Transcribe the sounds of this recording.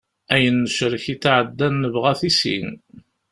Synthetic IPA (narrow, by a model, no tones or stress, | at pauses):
æjənːəʃəɾəçit͡sːʕəd̪ːænːəvʁæθisḭn